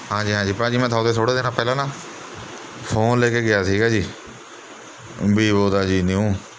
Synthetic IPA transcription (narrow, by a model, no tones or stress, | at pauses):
ɦãːd͡ʒiːɦãːd͡ʒiːpãːd͡ʒiːmɛ̃ːt̪ʰaːt̪eːsʰoːɽeːd̪eːnaːpɛːlãːnaː | pʰoːnleːkeːɡɪjaːsiːɡaːd͡ʒiː | biːboːd̪aːd͡ʒiːniũː